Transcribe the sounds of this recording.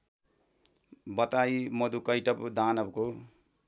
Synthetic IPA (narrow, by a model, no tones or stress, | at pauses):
bʌt̪ajmʌd̪ukʌjʈʌpd̪anʌbko